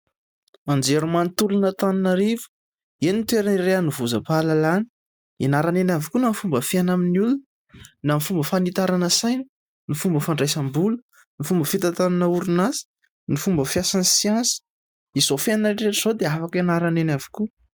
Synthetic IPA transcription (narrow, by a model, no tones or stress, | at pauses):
and͡zeɾumanit̪ulunət̪aninəɾivə̥ | enit̪weɾaniɾeanivuzəpalalani̥ | inaɾanenavikunamifumbəfenaminulunə | namifumbəfanit̪aɾanəsajni̥ | nifumbəfaɳɖ͡ʐajsambulə̥ | nifumbəfit̪at̪ananəuɾunasi̥ | nifumbəfiasansiansə̥ | izofenaʈ͡ʂeʈ͡ʂiz̥od̪eafakinaɾanenavi̥ku